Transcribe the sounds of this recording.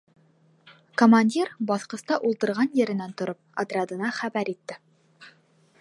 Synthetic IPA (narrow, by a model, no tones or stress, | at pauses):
komanʲdʲirbɒθqɤ̆st̪ɑʔulˠt̪ɤ̆ɾʁɑnjɘ̆ɾɘ̆nænt̪ŏɾɤp̚ɐ̰t̪ɾʲad̪ɤ̆nɑχæbæɾit̪ːɘ